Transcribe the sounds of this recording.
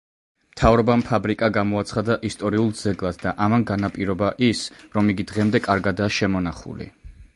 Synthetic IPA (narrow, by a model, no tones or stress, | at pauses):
mt̪ʰavɾɔbampʰabɾikʼaɡamɔat̪sʰχad̪aʔist̪ʼɔɾiulˠd̪zɛɡlˠasʰd̪aʔamanɡanapʼiɾɔbaʔisɾɔmiɡid̪ʁɛmd̪ɛkʼaɾɡad̪aːʃɛmɔnaχṵlḭ